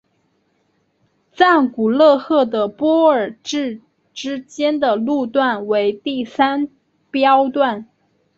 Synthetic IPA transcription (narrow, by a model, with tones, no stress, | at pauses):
t͡sa˥˩nku˨˩lɤ˥˧xɤ˥˩d̪ə˩pwɔ˥ə˞˨˩ʈ͡ʂɻ̩˥˩ | ʈ͡ʂɻ̩˥t͡ɕjɛ˥nd̪ə˨lu˥˧t̪wa˥˩nwe˧˥ɪt̪i˥˩sa˥n | pjɑ˥ʊt̪wa˥˩n